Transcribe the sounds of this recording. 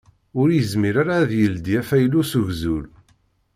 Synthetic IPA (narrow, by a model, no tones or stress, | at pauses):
ʊɾjəzmiɾaɾaːðjəld̪jæfæjlːusuʝzul